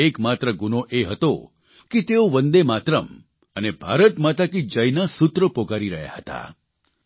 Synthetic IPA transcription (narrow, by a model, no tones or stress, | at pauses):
ekmat̪ɾəɡunoʔeɦət̪o̰ | ket̪eoʋənd̪emat̪ɾəm | ənebʱaɾət̪mat̪akid͡ʒəjnasut̪ɾəpokaɾiɾəɦja̰ɦət̪a̰